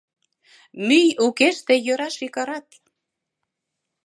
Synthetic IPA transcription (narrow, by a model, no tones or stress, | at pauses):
myjukeʃt̪ejøɾɑʃikɑɾɑt̪